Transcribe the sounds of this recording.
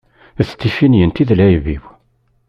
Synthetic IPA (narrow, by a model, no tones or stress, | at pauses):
θt̪ːifinjənt̪iðlæjviw